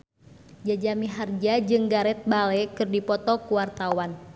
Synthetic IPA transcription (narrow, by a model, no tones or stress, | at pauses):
d͡ʒad͡ʒamiɦard͡ʒad͡ʒɨŋɡaɾɛt̪̚balɛkɨrdipɔt̪ɔkuwart̪awan